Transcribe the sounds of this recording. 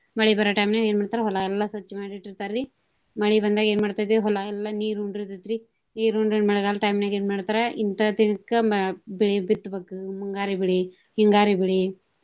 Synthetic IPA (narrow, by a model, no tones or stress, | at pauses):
mɐɭibɐɾɐʈɐjmnaɡeːnmaːɽt̪aɾɐɦɔlaɛlːɐsɐt͡ʃːimaːɽiʈiɾt̪aɾɾi | mɐɭibɐnd̪aːɡeːnmaːɽt̪aːjd̪eɦɔlaɛlːɐniːɾuɳɖɾit̪ɐt̪ːɾi | niːɾuɳɖɾenmɐɭɡaːlɐʈɐjmnaːɡeːnmaːɽt̪aːɾɐint̪ɐd̪inɐkːɐbiɭibit̪ːbeːkumuŋɡaːɾibiɭi | hiŋɡaːɾibiɭi